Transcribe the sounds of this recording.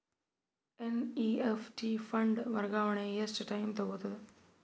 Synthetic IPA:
eniːefʈiːfʰɐɳɖʋɐɾɡaːʋəɳ̃eːjesʈʈaːjmt̪ʰɐboːt̪ʰɐd̪

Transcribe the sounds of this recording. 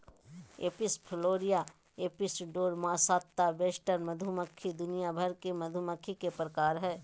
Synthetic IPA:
eːpɪspʰɪloːɾija | eːpɪsɖoːɾmaːsaːt̪ːabeːsʈəɾmɐd̪ʱʊməkʰːid̪ʊnijabʱəɾkemɐd̪ʱʊməkʰikepɾəkaːɾɦɛː

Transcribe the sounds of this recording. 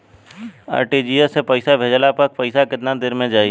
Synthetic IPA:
a̰ːɾʈid͡ʒiːesepəɪsabʱed͡ʒlapɐk̚pɐɪsakɪt̪nad̪ɪɾmẽd͡ʒaːi

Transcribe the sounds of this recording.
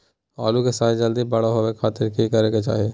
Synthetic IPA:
ɔ̰ːlukesaːjd͡ʒɐld̪ibɐɽaɦowekʰaːt̪ɪɾkikɐɾeket͡ʃa̰ːɦieː

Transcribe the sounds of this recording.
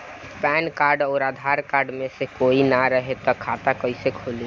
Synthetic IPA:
pɛnkaɾɖɔːɾad̪ʱaɾkaɾɖmesekoinaɾəɦet̪ɔkʰat̪akəɪsekʰoli

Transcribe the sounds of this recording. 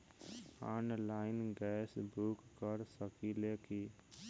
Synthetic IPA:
a̰nlaɪnɡɛsbʱukːəɾsəkileki

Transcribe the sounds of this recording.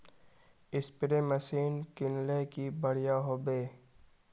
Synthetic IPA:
ɪspɪɾeməsiːnkɪnlekibɐɽ̤ijaːɦoːbeː

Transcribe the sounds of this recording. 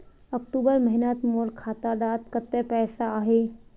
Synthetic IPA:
əkʈuːbəɾməɦinat̪molkʰaːt̪ad̪aːt̪kət̪ːɛpɛːsaaːɦe

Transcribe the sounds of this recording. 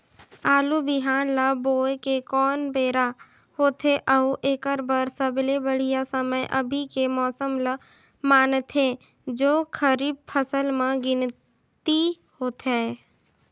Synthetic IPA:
aːlubɪɦaːnlaboːekekɔːnbeːɾa | hoːt̪ʰeʔəuʔeːkəɾbəɾsəblebəɽ̤ijasəməjʔəbʱikemɔːsəmlə | maːnt̪ʰe | d͡ʒoːkʰəɾiːb̚pʰəsəlmãɡɪn | t̪i | hoːt̪ɦɛ

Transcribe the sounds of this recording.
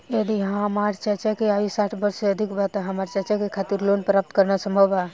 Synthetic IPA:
əd̪iɦãmaɾt͡ʃət͡ʃakeaʋisaːʈʰbəɾseɐd̪ʱikbat̪aɦɐmaɾt͡ʃət͡ʃakekʰaːt̪iɾlonpɾaːp̚t̪kəɾnasə̃mbʱəʋa

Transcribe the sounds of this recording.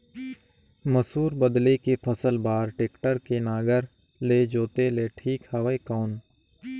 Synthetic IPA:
məsuːɾbəd̪lekepʰəsəlbaːɾʈeːkʈəɾkenaːɡəɾ | leːd͡ʒoːt̪eleːʈʰiːkhɐʋəekɔːn

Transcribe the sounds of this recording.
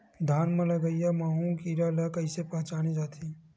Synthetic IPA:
d̪ʱaːnmẽlɐɡəijamaːɦũkiɾalakɐɪsepɐɦt͡ʃaːned͡ʒaːt̪ʰi

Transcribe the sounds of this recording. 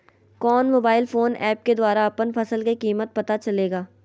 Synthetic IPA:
kɔːnmoːbaːɪlfoːnɛːp̚ked̪waːɾaɐpənfʰɐsəlkekiːmət̪̚pɐt̪at͡ʃɐleːɡaː

